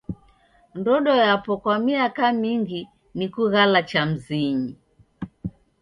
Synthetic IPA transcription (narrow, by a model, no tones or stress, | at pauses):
ndɔɗɔjapɔkwamiakamiŋɡi | nikuɣalat͡ʃam̩ziɲi